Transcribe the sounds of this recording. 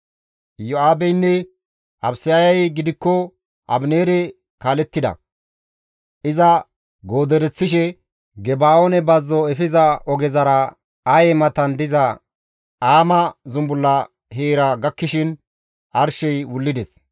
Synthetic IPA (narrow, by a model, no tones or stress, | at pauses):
jɔaːbɛjnːɛ | ɐbsɪjajɐjɡɪd̪ɪkːɔ | ʔɐ̰bneːɾɛ | kaːlɛt̪ːɪd̪ɐ̰ | ʔɪzɐ | ɡo̞ːd̪ɛɾɛt͡sːɪʃɛ | ɡɛbaːonɛbɐzːɔɛfɪzɐɔɡɛzɐɾɐ | ɐjɛmɐt̪ɐnd̪ɪzɐ | aːmɐzʊmbʊlːɐ | ɦeːɾɐɡɐkːɪʃɪn | ʔɐɾʃɛjwʊlːɪd̪ɛs